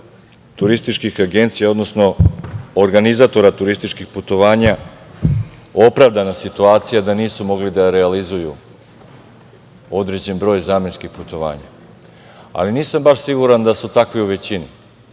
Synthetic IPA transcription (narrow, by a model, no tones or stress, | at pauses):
t̪uɾist̪it͡ʃkixaɡe̞nt̪sijao̞d̪no̞sno̞oɾɡanizat̪o̞ɾat̪uɾist̪it͡ʃkixput̪o̞ʋaːɲa | o̞pɾaʋd̪anasit̪uaːt̪sijad̪aniːsumo̞ɡlid̪aɾealizuju | o̞d̪ɾed͡ʑe̞nbɾo̞ːjzaːmenskixput̪o̞ʋa̰ːɲa̰ | a̰liniːsambaʃsiɡuɾand̪asut̪akʋiuʋe̞t͡ɕini